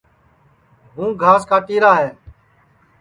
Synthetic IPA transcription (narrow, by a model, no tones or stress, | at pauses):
ɦũːɡʱaːskaːʈiːɾaːɦeː